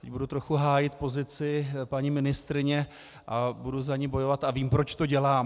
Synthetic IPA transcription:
t̪ɛɟbudut̪ɾo̞xuɦaːjɪt̪po̞zɪt͡sɪpaɲimɪnɪst̪ɾɪɲɛ | ʔabuduzaɲiːbo̞jo̞vat̪aviːmpɾo̞t͡ʃt̪o̞ɟɛlaːm

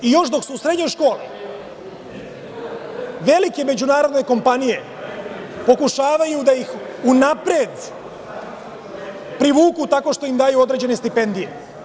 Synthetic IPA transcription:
ijo̞ʃd̪o̞ksusɾe̞d̪ɲo̞jʃko̞ːlḭ | ʋe̞like̞me̞d͡ʑunaːɾo̞d̪ne̞ko̞mpanije̞ | po̞kuʃaːʋajud̪ajix | unapɾed̪ | pɾiʋuːkut̪ako̞ʃt̪o̞imd̪ajuo̞d̪ɾe̞d͡ʑe̞ne̞st̪ipe̞nd̪ije̞̰

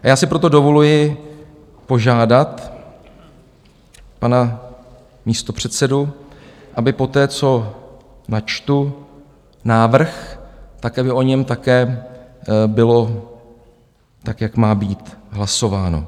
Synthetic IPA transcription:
ʔajaːsɪpɾo̞t̪o̞do̞vo̞lujɪ | po̞ʒaːdat̪ | pana | miːst̪o̞pr̝̥ɛt̪sɛdu | ʔabɪpo̞t̪ɛːt͡so̞ | nat͡ʃt̪u | naːvr̩xt̪akʔabɪʔo̞ɲɛmt̪akɛː | bɪlo̞ | t̪akjakmaːbiːt̪ɦlaso̞vaːno̰

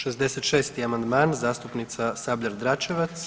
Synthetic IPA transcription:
ʃezd̪eset̪ʃeːst̪iamand̪maːnzaːst̪upnit̪sasabʎʲaɾd̪ɾat͡ʃeʋat̪s

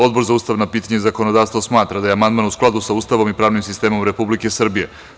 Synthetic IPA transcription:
o̞d̪bo̞ɾzauːst̪aʋnapiːt̪aɲezako̞no̞d̪aːʋst̪ʋosmaːt̪ɾad̪ajeamand̪maːnusklˠad̪usauːst̪aʋo̞mipɾaːʋnimsist̪e̞ːmo̞mɾe̞publikesr̩bije̞

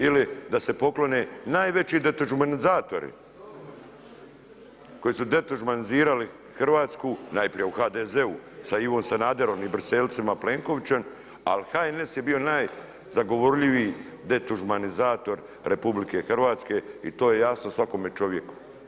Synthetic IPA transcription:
ilid̪ase̞po̞klo̞ne̞naːjʋe̞t͡ɕid̪et̪uʒumanizaːt̪o̞ɾḭ | ko̞jisud̪e̞t̪uʒumaniziːɾali | xrʋaːt̪skunajpɾije̞uxaːd̪eze̞usaiʋo̞nsanaːd̪eɾo̞mibr̩selt̪samaple̞ːŋko̞ʋit͡ɕem | a̰lixaenesje̞bio̞naːj | zaɡo̞ʋo̞ɾʎiʋiːd̪e̞t̪uʒumanizaːt̪o̞ɾ | ɾʔe̞publike̞xrʋaːt̪ske̞ḭt̪o̞ːje̞jasnosʋako̞mjet͡ʃo̞ʋjeku̥

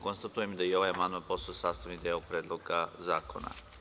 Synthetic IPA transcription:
ko̞nst̪at̪ujemd̪aio̞ʋajamand̪manpo̞st̪ojsaːst̪aʋnid̪eːopɾeːd̪lˠo̞ɡazaːkʰo̞̰na̰

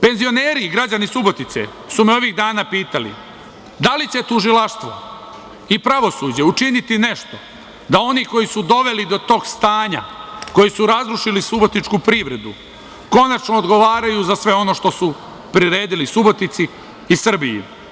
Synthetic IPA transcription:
pe̞nzio̞neːɾiɡɾad͡ʑanisubo̞t̪it̪sḛ | sumeo̞ʋiɣd̪aːnapiːt̪alḭ | d̪alit͡ɕe̞t̪uʒilaʃt̪ʋo̞̰ | ipɾaʋo̞suːd͡ʑe̞ut͡ʃinit̪ine̞ʃt̪o̞ | d̪ao̞niko̞jisud̪o̞ʋe̞lid̪o̞t̪o̞ːɡst̪aːɲa̰ko̞jisuɾazɾuʃilisubo̞t̪nit͡ʃkupɾiʋɾe̞d̪u | ko̞nat͡ʃno̞ːd̪ɡo̞ʋaːɾajuzasʋe̞o̞no̞ʃt̪o̞su | pɾiɾe̞ːd̪ilisubo̞t̪it̪siː | sr̩bijḭ

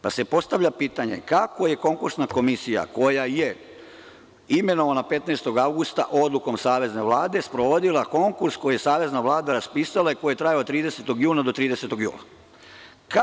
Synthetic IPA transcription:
pase̞po̞st̪aʋʎʲapiːt̪aɲe̞̰kako̞je̞ko̞ŋkuɾsnako̞misija̰ko̞jaje | ime̞no̞ʋanape̞t̪najst̪o̞ɡawɡust̪aʔo̞d̪lˠuko̞msaːʋe̞zne̞ʋlˠaːd̪e̞spɾoʋod̪ilˠako̞ŋkuɾsko̞jije̞saːʋe̞znaʋlˠaːd̪aɾaspiːsalˠaiko̞jijet̪ɾajaot̪ɾiːd̪e̞set̪o̞ɡjuːnad̪o̞t̪ɾiːd̪e̞se̞t̪oɡjṵːna | ka

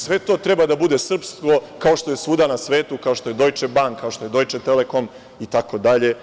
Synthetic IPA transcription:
sʋe̞t̪o̞ːt̪ɾe̞bad̪abud̪e̞sr̩psko̞kao̞ʃt̪oje̞suːd̪anasʋe̞ːt̪ukaoʃt̪oed̪o̞jt͡ʃebaŋkːaoʃt̪o̞je̞d̪o̞jt͡ʃet̪eleko̞m | it̪ako̞d̪aʎe̞

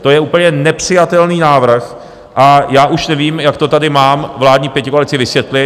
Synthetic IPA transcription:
t̪o̞jɛuːpl̩ɲɛnɛpr̝̥ɪjat̪ɛlniːnaːvr̩x | ʔajaːʔuʃnɛviːmjakt̪ot̪adɪmaːmvlaːd̪ɲiːpjɛcɪkoalɪt͡sɪvɪsvjɛt̪lɪ

